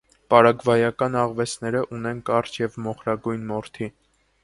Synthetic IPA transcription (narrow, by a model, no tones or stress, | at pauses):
pɑɾɑɡvɑjɑkɑnɑʁvɛsʰnɛɾəʔunɛnkɑrt͡ʃʰjɛvmɔχɾɑɡujnmɔɾt̪ʰi